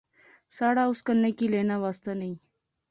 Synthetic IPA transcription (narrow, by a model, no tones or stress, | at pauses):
saːɽaʊskənːekileːnawaːst̪anəi